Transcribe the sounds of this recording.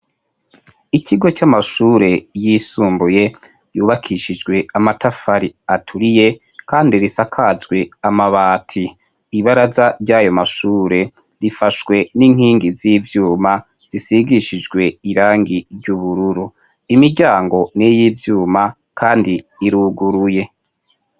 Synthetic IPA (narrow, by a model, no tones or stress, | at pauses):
iciɡo̞t͡ʃamaʃuːɾe̞jisuːmbuje̞ | juːβakʰiʃid͡ʒɡwe̞amatafaɾiatʰuɾije̞ | kaːndiɾisakʰazɡwe̞amaβaːtʰiː | βaɾazaɾɟaːjo̞maʃuːɾe̞ | ɾifaʃwe̞niŋ̥hiːŋɡiziːvjuːma | z̥isiɡiʃid͡ʒɡwe̞iɾaːŋɡiɾɟuβuɾuɾu | imiɾɟaːŋɡo̞nejiːvjuːma | kʰaːndiːɾuɡuɾuje̞